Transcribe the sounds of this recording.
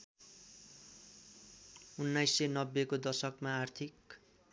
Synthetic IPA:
unːajsːenʌbːekod̪ʌrsʌkmaːrt̪ʰik

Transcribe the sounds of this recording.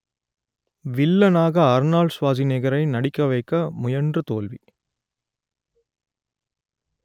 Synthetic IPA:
ʋɪlːɐnaːɣɐɐɾnaːɭsʋaːðɪneɣɐɾɐɪnɐɽɪkːɐʋɐɪkːɐmʊjɐɳdrɯt̪oːlʋi

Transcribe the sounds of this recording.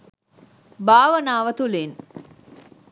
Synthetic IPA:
baːʋənaːʋət̪ulin

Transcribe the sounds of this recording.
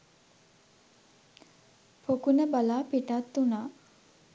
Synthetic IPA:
pokunəbalaːpiʈat̪ːunaː

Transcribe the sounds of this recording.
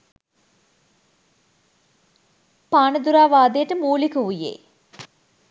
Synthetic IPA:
paːnəd̪uɾaːʋaːd̪ejəʈəmuːlikəʋujḛː

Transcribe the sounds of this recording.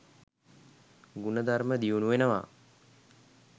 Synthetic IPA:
ɡunəd̪arməd̪iunuʋenəʋa̰

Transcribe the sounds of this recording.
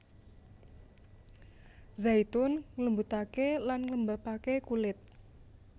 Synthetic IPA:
zajt̪ʊnŋləmbut̪akelanŋləmbapakekulɪt̪̚

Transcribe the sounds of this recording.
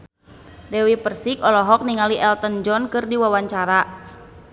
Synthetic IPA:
dɛwipərsikɔlɔɦɔk̚niŋaliʔɛlt̪ənd͡ʒɔnkɨrdiwawaɲt͡ʃaɾa

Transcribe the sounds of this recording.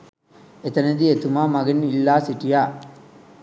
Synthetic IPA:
et̪ɐnɐd̪iet̪umaːmɐɡɐnːilːaːsiʈijaː

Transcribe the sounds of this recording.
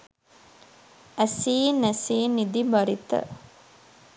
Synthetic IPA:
æsiːnæsiːnːid̪ibaɾit̪ə̰

